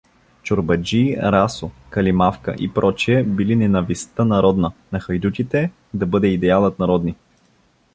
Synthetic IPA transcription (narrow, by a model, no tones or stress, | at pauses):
t͡ʃoɾbɐd͡ʒiɾasokɐlimafkə̰ʔḭpɾɔt͡ʃiɛbilinɛnɐvist̪ənɐɾɔd̪nənɐxɐjd̪ut̪ʲit̪ɛ | d̪ɐbɤd̪ɛid̪ɛalˠət̪nɐɾɔd̪ni